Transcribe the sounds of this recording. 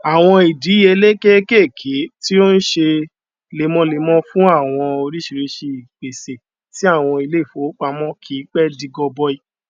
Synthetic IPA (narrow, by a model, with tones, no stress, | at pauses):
a˨w̃ɔ̃˧i˨di˨˦e˧˦le˦ke˦ke˦˨kʰe˨˦ti˦o˦n̩˦ʃe˧ | le˨˧˨mɔ̃˧˦le˧mɔ̃˦fũ˦a˦˨w̃ɔ̃˧o˧ɾi˦ʃi˧ɾe˧ʃe˧i˨k͡pe˨se˨ | ti˨˦a˦˨w̃ɔ̃˧i˧le˦i˦˨fo˨˦k͡pa˧mɔ̃˦kʰi˨˦k͡pɛ˦di˧ɡɔ˧bɔ˦i˧